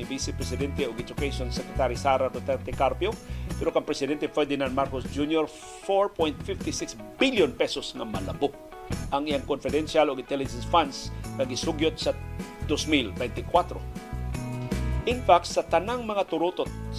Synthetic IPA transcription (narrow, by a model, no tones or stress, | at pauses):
ɪbisɛpɾɛsɪd̪ɛnt̪ɛʊɡɛd͡ʒʊkeʃonsɛkɾɛt̪aɾisaɾaɾot̪ɛɾt̪ɛkaɾpjopɛɾokaŋpɾɛsɪd̪ɛnt̪ɛpwɛd̪ɪnanmaɾkosd͡ʒunjoɾ | foɹpojnt̪̚fɪft̪ɪsɪksbiljonpɛsosŋamɐlabʊk̚ | ʔɐŋɪjaŋkonfɪd̪ɛnʃaloɡɪnt̪ɛlɪd͡ʒɛnsfansŋɐɡɪsʊɡjot̪̚sad̪osmilbɛjnt̪ɪkwat̪ɾo̰ | ʔɪnfak̚t̪sɐt̪ɐnaŋmɐŋat̪ʊɾut̪ot̪̚